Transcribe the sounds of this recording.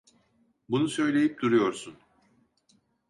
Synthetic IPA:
bunusø̞jlʲe̞jip̚d̪uɾujo̞ɾsun

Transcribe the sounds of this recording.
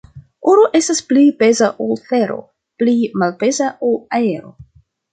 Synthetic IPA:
uɾoʔe̞stasplibe̞zaʔolθe̞ɾo̞̰ | plimalpe̞zaʔolae̞ɾo̞̰

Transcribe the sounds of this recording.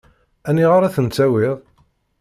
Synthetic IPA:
æniʁaɾæθənt͡sːæwɪðˤ

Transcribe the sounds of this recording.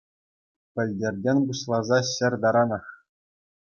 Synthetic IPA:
pʲɘ̆lʲdʲerʲdʲenʲbuɕlˠɑzɑɕɘ̆rʲd̪ɑɾɑnɑχ

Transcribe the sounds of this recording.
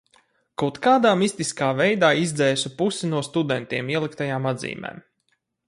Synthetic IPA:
kawt̪kaːd̪aːmisʲt̪iskaːvɛjd̪aːizd̪zɛːsupusinuɔst̪ud̪ɛnt̪iɛmiɛlˠikt̪ajaːmad̪zḭːmḛːm

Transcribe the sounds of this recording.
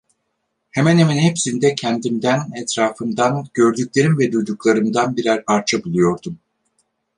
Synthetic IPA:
hemænhemɛnhepsind̪ɛcʰɛnd̪imd̪ænɛt̪ɾaːfɯnd̪anɟ̥ø̞ɾd̪ycʲlʲe̞ɾimvɛd̪ujd̪uklˠaɾɯmd̪anbiɾæɾpʰaɾt͡ʃʰabulˠujo̞ɾd̪um

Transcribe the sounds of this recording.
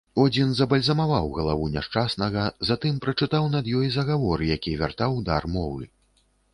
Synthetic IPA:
ɔd͡zʲinzɐbɐlʲzɐmavawɣɐlˠavunʲaʂt͡ʂasnɐɣɐzat̪ɨmpɾɐt͡ʂɨt̪awn̪ɐd̪jɔjzɐɣavɔɾɨjakʲivʲart̪awd̪armɔvɨ̰

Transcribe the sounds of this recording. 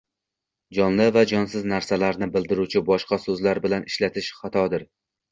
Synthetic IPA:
d͡ʒɒnlɪvad͡ʒɒnsɪznaɾsalaɾnɪbɪld̪ɪɾut͡ʃʰɪbɒʃqɑsɵzlaɾbɪlanɪʃlat̪ʰɪʃχat̪ʰɒd̪ɪɾ

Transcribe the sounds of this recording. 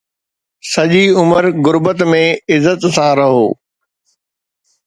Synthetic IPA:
sɐʄiʊməɾɣʊɾbət̪mẽɪzːət̪sãːɾɐɦoː

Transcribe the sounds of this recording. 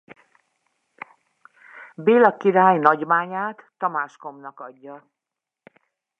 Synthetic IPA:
beːlɒkiɾaːjnɒɟmaːɲaːt̪ːɒmaːʃko̞mnɒkɒɟːɒ

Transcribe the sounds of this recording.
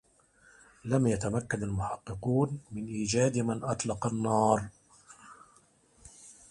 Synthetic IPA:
lamjat̪amakːanalmʊħɑqːɨquːnmɪnʔiːd͡ʒaːd̪manʔɑt̪ˤlɑqɑnːɑːɾˤ

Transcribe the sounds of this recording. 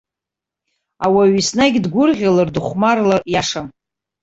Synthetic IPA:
awaɥisnaɡʲdɡʷʊrʁʲalardɨχʷmarlajaʂam

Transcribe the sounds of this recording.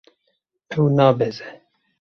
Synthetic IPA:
ɛwnɑːbɛzɛ

